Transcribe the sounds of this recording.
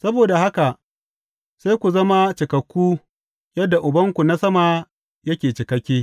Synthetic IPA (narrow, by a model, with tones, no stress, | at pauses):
sɐ˦boː˨da˨ha˦ka˨ʔ | seː˦jkʷu˨zɐ˦ma˦t͡ʃɪ˨kɐ˨kʷːuː˦ | jɐ˦dːa˨ʔʊ˨bɐ˦ŋkʷu˨na˦sɐ˦ma˨ | jɐ˦kʲeː˨t͡ʃɪ˨kɐ˦kʲːeː˦